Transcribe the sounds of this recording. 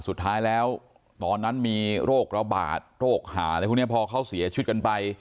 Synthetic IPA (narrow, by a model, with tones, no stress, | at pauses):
su˨˩t̪ʰːaː˦˥jlɛː˦˥w | t̪ɔː˧nːa˦˥nmiː˧ɾoː˥˩k̚ɾa˧ba̰ː˨˩t̪̚ɾoː˥˩k̚ha̰ː˩˦la˧˦˩pʰːni˥˩pʰɔː˧kʰa˦˥˩wsi˩˦ɐt͡ɕʰt̪̚ka˧npa˧j